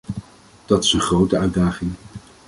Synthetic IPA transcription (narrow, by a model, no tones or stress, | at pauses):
d̥ɑtɪ̥sənχrowtəœɥdaːχɪŋ